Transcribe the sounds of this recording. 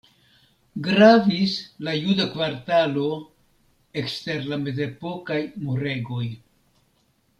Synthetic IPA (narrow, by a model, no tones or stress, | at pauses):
ɡɾavislajudakvaɾtalo̞ | ekste̞ɾlame̞ze̞po̞kajmuɾe̞ɡo̞j